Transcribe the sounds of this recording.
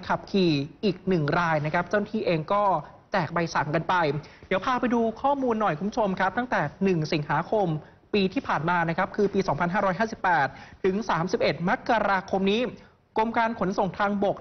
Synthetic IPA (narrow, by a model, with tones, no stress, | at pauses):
kʰa˨˩p̚kʰiː˨˩ʔiː˨˩k̚nɯ˨˩ŋɾaː˧jna˦˥kʰa˦˥p̚t͡ɕa˥˩wna˥t̪ʰiː˥˩ʔeː˧ŋkɔː˥˩ | t͡ɕɛː˨˩k̚ba˧jsa˩˦ŋka˧npa˧jdiː˨˩˦əwpʰaː˧pa˧jduː˧kʰɔː˥˩muː˧nːɔ˨˩jkʰu˧˦mu˥t͡ɕʰo˧mkʰa˦˥p̚t̪a˥˩ŋt̪ɛː˨˩nɯ˨˩ŋsi˩˦ŋɦaː˩˦kʰo˧m | piː˧t̪ʰiː˥˩pʰaː˨˩nmaː˧na˦˥kʰɾa˦˥p̚kʰɯː˧piː˧sɔː˩˦ŋpʰa˧nɦaː˥˩ɾɔː˦˥jɦaː˥˩si˨˩pːɛː˨˩t̪̚ːʰɯ˩˦ŋsaː˩˦msi˨˩p̚ʔe˨˩t̪̚ma˦˥kːa˧ɾaː˧kʰo˧mniː˦˥ | ko˧mkaː˧nkʰo˩˦nso˨˩ŋt̪ʰaː˧ŋbo˨˩k̚